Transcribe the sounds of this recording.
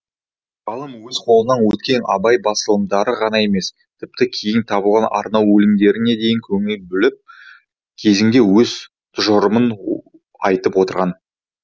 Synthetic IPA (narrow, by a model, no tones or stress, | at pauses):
ʁɑlˠəmwɵzqʰo̞lˠənɑnwɵt̪kʲe̞nɑ̰bɑjbɑsəlˠəmd̪ɑɾəʁɑnɑje̞me̞s | t̪ʰɪp̚t̪ɪkʲʰe̞jɪnt̪ʰɑbəlˠʁɑnɑ̰ɾnɑwɵlɪmd̪e̞ɾɪne̞d̪e̞jɪŋkʲʰɵŋɪlbʏlɪp̚ | kʲʰe̞zɪŋɡ̪ʲe̞wɵz | t̪ʰʊʒəɾəmən | ɑjt̪əpwo̞t̪əɾʁɑn